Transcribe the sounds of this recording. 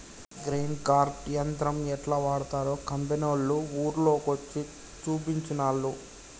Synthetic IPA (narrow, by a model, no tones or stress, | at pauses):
ɡɾeːnkaːɾʈjɐnt̪ɾɐmɛʈlaːʋaːɽut̪aːɾoːkɐmpenolːuuːɾlo̞ːkot͡ʃːi | t͡ʃuːp̬iɲt͡ʃinaːlːu